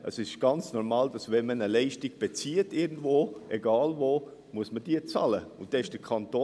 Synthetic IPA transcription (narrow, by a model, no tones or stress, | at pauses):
əsɪʃɡ̥ɑnt͡snɔɾmɑːld̥ɑsʋɛnmənəlɛɪʃtɪɡ̥b̥ɛt͡siətɪɾɡn̩dvoːʔɛɡɑːlvoː | muəsməd̥iːət͡sɑ̰ːləʊntd̥ɛɪʃd̥əkʰɑnt̪oː